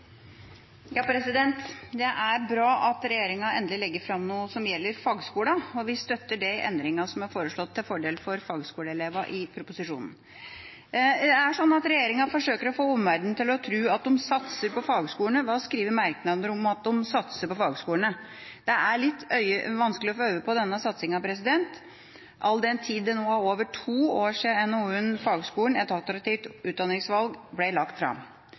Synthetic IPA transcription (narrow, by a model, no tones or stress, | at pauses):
jɑːpʰɾɛsɪd̪ɛnt̪d̪ɛʔæɾbɾɑːʔɑt̪ɾɛjeːɾɪŋɑɛnd̪əlɪlɛɡːəɾfɾɑmnuːəsɔmjɛlːəɾfɑːɡskuːɽɑɔʋɪst̪œt̪ːəɖɛʔɛ̰nd̪ɾɪŋɑsɔmɑɾfoːɾəʂɭɔt̪ʰːɪlfɔɖeːlfɔɾfɑːɡskuːɽəɛleːʋɑʔɪpʰɾʊpʊsɪʂṵːnn̩ | æʂɔnːɑt̪ɾɛjeːɾɪŋɑfɔʂøːkəɾɔfoːɔmʋæɾd̪nt̪ɪlɔt̪ʰɾʉːɑt̪̚d̪ɔmsɑt̪səɾpɔfɑːɡskuːəɳəʋɑːskɾiːʋəɾmæɾknɑd̪əɾʊmɑt̪̚d̪ɔmsɑt̪səɾpɔfɑːɡskuːəɳə | d̪̥ɛʔæɭɪt̪ːœʏəʋɑnsklɪɔfoːœʏəpɔd̪ɛnːəsɑt̪sɪŋɑʋpʰɾɛsɪd̪ɛnt̪ | ʔɑld̪ɛnt̪ʰiːd̪ɛnoːæoːʋəʈʰuːoːʂɪɛnonfɑːɡskuːəɳ̩ɛt̪ɑlt̪əɾɑt̪iːft̪ʉːt̪d̪ɑnːɪŋsʋɑlɡblɛlɑkt̪fɾɑ̰m